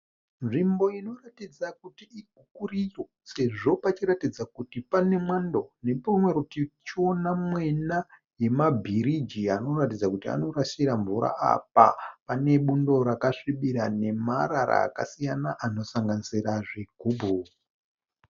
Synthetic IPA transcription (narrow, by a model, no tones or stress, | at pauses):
nʐimbo̞ino̞ratid͡zakutiiɡʱukurijo̞ | se̞ʐo̞pat͡ʃiɾatid͡zakutipane̞mwando̞nepumweɾutit͡ʃonamwe̞na | je̞mabʱiɾid͡ʒiano̞ratid͡zakutia̰no̞ɾaʃiɾaɱvuɾa̰ʔa̰p̚a̰pane̞ɓundo̞ɾakaʂiɓiɾane̞maɾaɾa̰ːka̰sijanaʔano̞saŋɡanisiraʐeɡʱuːbʱu